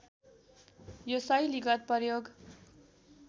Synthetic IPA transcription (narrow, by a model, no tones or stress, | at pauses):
josʌjliɡʌt̪̚pʌrjoɡ